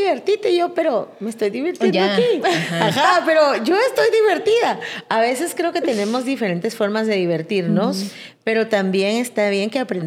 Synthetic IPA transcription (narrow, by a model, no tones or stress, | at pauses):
iβe̞ɾt̪it̪e̞ʝo̞pe̞ɾo̞me̞st̪o̞jðiβiɾt̪jeoakiaxape̞ɾo̞ʝo̞e̞st̪o̞jðiβe̞ɾt̪iðaaβe̞se̞skɾe̞o̞ke̞t̪e̞ne̞mo̞zðife̞ɾe̞nt̪e̞sfo̞ɾmazðe̞ðiβe̞ɾt̪iɾno̞s | pe̞ɾo̞t̪ambje̞ŋe̞st̪aβ̞je̞ŋke̞apɾen